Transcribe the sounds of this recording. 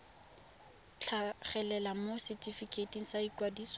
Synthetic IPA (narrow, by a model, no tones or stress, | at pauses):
t͡ɬʰaχɛlɛlamosɪtʰʼifikʰʼetʼiŋ̩saikwadiːs